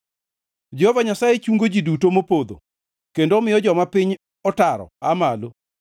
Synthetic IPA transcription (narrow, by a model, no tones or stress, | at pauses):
d͡ʒɛhɔvaɲasajet͡ʃuŋɡod͡ʒidutomopod̪o̰ | kendomɪjɔd͡ʒɔmapɪɲ | ɔtaɾɔ̰amalo